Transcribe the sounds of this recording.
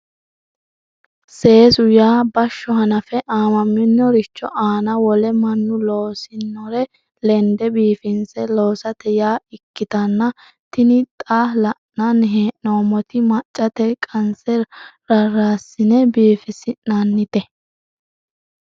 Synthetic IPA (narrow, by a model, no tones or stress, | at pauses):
se̞ːsʊjaːbɐʃːɔhɐnɐfɛʔaːmɐmːɪnːɔɾɪt͡ʃːɔ̰ʔaːnɐwɔlɛmɐnːʊloːsɪnːɔɾɛ | lɛnd̪ɛbiːfɪnsɛlo̞ːsɐt̪ɛjaːɪkːɪt̪ɐnːɐ | t̪ɪnɪt̪ʼaːlɐʔɐnːɦeːʔnoːmɔt̪ɪmɐt͡ʃʼːɐt̪ɛkʼɐnsɛɾɐraːsɪnɛbiːfɪsɪnːɐnːɪt̪ɛ